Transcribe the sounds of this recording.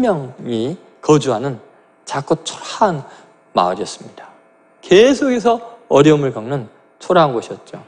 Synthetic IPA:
mjʌŋi | kʌd͡ʑuɦanɯn | t͡ɕak͈ʌt͡ɕʰo̥ɾaan | ma̰ʌ̰ɾiʌs͈ɯmɲid̥a | kesʰoɡe̞sʰʌʌɾjʌumɯɭkaŋnɯn | t͡ɕʰoɾaɦnɡoɕʰiʌt̚t͡ɕ͈o

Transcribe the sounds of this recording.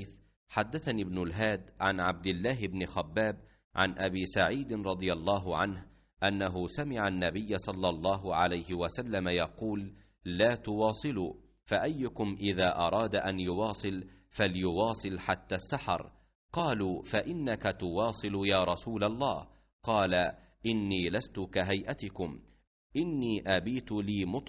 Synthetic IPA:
θ | ħad̪ːaθaniːbnʊlɦaːd̪ʕa̰nʕab̚d̪ɪlːaːɦɪbnɪxabːaːb | ʕa̰nʔabiːsaʕiːd̪ɪnɾˤɑd̪ˤɨjɑlˤːɑːɦʊʕanh | ʔanːaɦʊsamɪʕanːabɪjːasˤɑlːɑlˤːɑːɦʊʕalajhɪwasalːamajɑquːlː | aːt̪ʊwɑːsˤɨluː | faʔajːʊkʊmʔɪðaːʔɑɾˤɑːd̪aʔanjʊwɑːsˤɨl | faljʊwɑːsˤɨlħat̪ːaːsːaħɑ̰ɾˤ | qɑːluːfaʔɪnːakat̪ʊwɑːsˤɨljaːɾˤɑsuːlalˤːɑːh | qɑːla | ʔɪnːiːlast̪ʊkaɦajʔat̪ɪkʊm | ʔɪnːiːʔabiːt̪ʊliːmʊt̪ˤ

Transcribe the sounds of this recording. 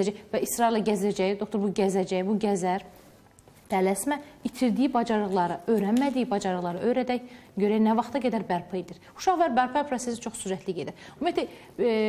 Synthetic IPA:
æd͡ʒævæisɾɑilːæɟæzæd͡ʒæjid̪okt̪oɾbuɟæzæd͡ʒæjibuɟæzæɾ | d̪̥ælæsmæit̪ʰiɾd̪ijibɑd͡ʒɑɾɯɣlˠɑɾɯø̞jɾænmæd̪ijibɑd͡ʒɑɾɯʁlˠɑɾɯʔø̞jɾæd̪æçɟøɾænævɑχt̪ʰɑɡæd̪æɾbæɾpʰɯjd̪iɾ | u̥ʃɑχvæɾbæɾpʰɑpʰɾose̞sit͡ʃʰo̞χsuɾæt̪ʰliɟed̪iɾumijet̪ʰæ

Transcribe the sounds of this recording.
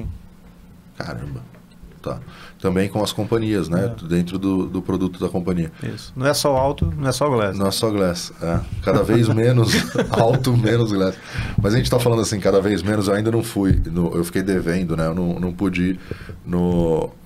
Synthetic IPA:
ka̰ɾɐ̰̃bɐ | t̪a̰t̪ɐ̃mbẽj̃kõɐskõmpɐ̃ɲiɐznɛd̪ẽnt̪ɾʊd̪ʊd̪ʊpɾod̪ut̪ʊd̪ɐkõmpɐ̃ɲiɐḭsʊ̥nɐ̃w̃ɛsɔʊawt̪ʊnɐ̃ɛsɔʊɡlɛsnɐ̃w̃ɛsɔɡlɛsɛkad̪ɐvejzmẽnʊzawt̪ʊmẽnʊzɡlɛs | mɐzɐʒẽt͡ʃɪt̪afalɐ̃nd̪asĩkad̪ɐvejzmẽnʊzewaĩd̪ɐnɐ̃w̃fujnũʔewfi̥kejd̪evẽnd̪ʊnɛewnɐ̃w̃nɐ̃w̃pod͡ʒinʊ

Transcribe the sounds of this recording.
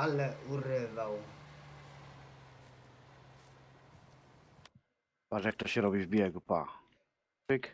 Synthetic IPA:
alɛʔuɾɪvaw | vaʐɛk̚t̪ɔɕɛɾɔbʲivbʲjɛɡupa̰ | ɪk

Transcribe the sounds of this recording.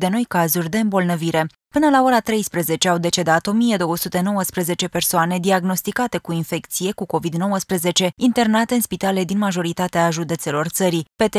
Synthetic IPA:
d̪e̞no̞jkazurʲd̪e̞ɨmbo̞lnəviɾe̞ | pɨnəlao̞ɾat̪ɾe̞jspɾeze̞t͡ʃe̞awd̪e̞t͡ʃe̞d̪at̪o̞mije̞d̪o̞wəsut̪e̞no̞wəspɾeze̞t͡ʃe̞pe̞rsoane̞d̪iaɡno̞st̪ikat̪e̞kuinfe̞kt̪sije̞kuko̞vid̪no̞wəspɾəze̞t͡ʃe̞int̪e̞rnat̪eɨnspit̪ale̞d̪inmaʒo̞ɾit̪at̪eaʒud̪e̞t̪se̞lo̞rt̪səɾipe̞t̪e

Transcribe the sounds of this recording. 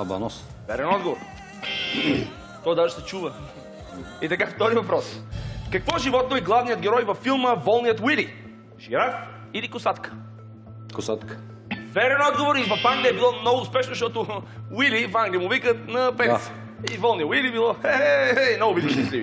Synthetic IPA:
ɐbɐ̰nɔs | vɛɾɛnɔd̪ɡovoɾ | t̪ɔjd̪aʒɛsɛt͡ʃuvə | it̪ɐkapt̪ɔzivɐpɾɔskɐkvɔʒivɔt̪̚noiɡlˠavnijəd̪̚ɡʲɛɾɔjvɐfːilˠməvɔlˠnijət̪wili | ʒiɾat̪ | ilikʊsat̪kə̥ | kʊsat̪kə̥ | vɛɾɛnɔd̪ɡovoɾivɐfãŋɡliɐbilˠɔnɔɡʊspɛʃnozʃt̪ɔt̪ʊwilifaŋɡliəmʊvikət̪nɐpɛs | ivɔlˠnijəwilibilˠɔɛinoʊbid̪ʃɛslii

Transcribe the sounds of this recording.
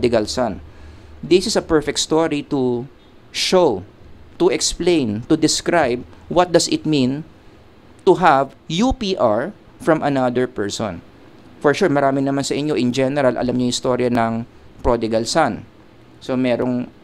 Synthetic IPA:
d̪ɪɡɐlsand̪isɪsɐpɛɹfɛkt̪̚st̪oɹit̪u | ʃowt̪ʊʔɛksplẽjnt̪ʊd̪ɪskɹajb̚wɐt̪̚d̪ɐsɪt̪̚mĩn | t̪uɦavjupiʔaɹ | fɹɐmʔɐnad̪ɛɹpɛɹsɔ̰̃n | fɔɹʃuɹmɐɾaːmɪnɐmansɐʔɪɲːoʔɪnd͡ʒɛnɛɾɐlʔɐ̰lamɲohɪst̪oɾjɐnɐŋ | pɹod̪ɪɡɐlsan | somɛɾoŋ

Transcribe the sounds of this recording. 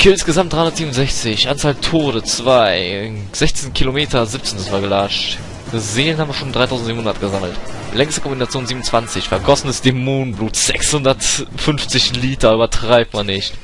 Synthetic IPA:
kʰɪsɡ̥əzamtd̥aɪhʊnɐtz̥iːmnʊnzɛçt͡sɪçʔant͡saːltʰoːɾət͡sv̥aɪ | z̥ɛçt͡senkʰilomeːtʰɐzɪp̚t͡sendasvaːɐɡəlaʃt | ɡ̥əzeːənhabmviɐʃoːnmdʁaɪtʰaʊn̩tziːmhʊndɐtɡ̥əzaml̩t | lɛŋstəkʰɔmbinat͡sjoːnziːbmnʊnt͡sv̥ant͡sɪçfɛɐɡɔsn̩əsd̥emuːnbluːtz̥ɛkshʊndɐtfʏnft͡sɪçliːtɐyːbɐtʁ̥aɪp̚tmanːɪçt

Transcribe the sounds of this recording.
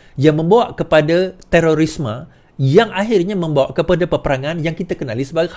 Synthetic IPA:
jaŋmə̃mbawaʔkəpadat̪eɾoɾisma | jaŋaɦɪrɲamə̃mbawaʔkəpadapərpəɾaŋãnjaŋkit̪akənalisəbaɡa

